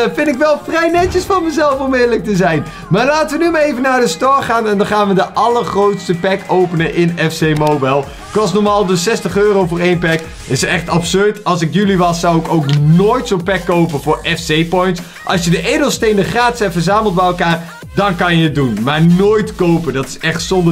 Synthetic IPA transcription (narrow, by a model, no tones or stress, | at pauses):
fɪndɪkʋɛlˠfrɛjnɛt͡ʃəsfɑnməzɛlˠfɔmɪːdələk̚təzɛjn | maːɹlaːtəʋənymaːɹejvənaːɹdəstɔɹχaːnɛndɑnχaːnʋədəʔɑləɹχrowtstəpɛkowpənəʔɪnɛfsejmowbɛjlˠ | kʋɑs̬nɔɹmaːlˠdəsɛstəχøːrowvʊːɹejnpɛk | ɪstɛχtɑpsøɹtɑlˠs̬ɪkjyliʋɑsːɑwɪkowknoːjtsonpɛkːowpənvʊːɹɛfsejpɔjnts | ʔɑ̰lˠsjədəʔejdəlˠstejndəχraːtɪ̥sɦɛpfəɹzaːməlˠt̚bɛjɛlˠkaːr | dɑnkɑnjəət̚dunmaːɹnoːjtkowpəndɑtɪ̥sɛχtsɔndə